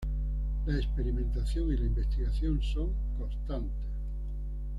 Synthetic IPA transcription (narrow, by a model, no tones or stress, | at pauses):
laespeɾimẽnt̪aθjoŋilaimbest̪iɣaθjonsoŋ | kost̪ant̪e